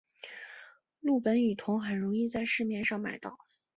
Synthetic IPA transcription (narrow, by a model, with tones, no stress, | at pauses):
lu˥˩pə˧˥ny˨˩t̪ʰʊ˧˥ŋxə˨˩nɻʊ˧˥ŋi˥˧t͡sa˥˧ɪʂɻ̩˥˧mjɛ˥˧nʂɑ˥˩ŋma̰˨˩ɪt̪ɑ˥˩ʊ